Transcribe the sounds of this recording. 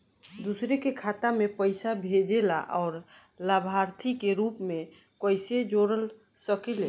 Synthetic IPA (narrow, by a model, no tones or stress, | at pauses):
d̪usɾekekʰat̪amepəɪsabʱed͡ʒela̰ʔɔʊɾ | labʱaɾt̪ʰikeɾupme | kəjsed͡ʒoɾəl | səkele